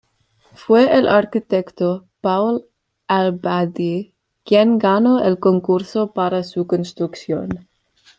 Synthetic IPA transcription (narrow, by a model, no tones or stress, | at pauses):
fweelʔaɾkit̪ekt̪opawl | albad̪i | kjenɡanoelkoŋkuɾsopaɾasukonst̪ɾuksjo̰n